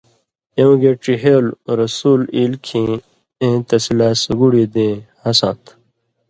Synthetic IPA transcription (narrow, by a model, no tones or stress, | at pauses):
jew̃ɡeʈiɦelɾɐsuːliːlkʰĩ | ẽt̪ɐsilaːsəɡuɽid̪ẽhɐsã̰ːt̪ʰ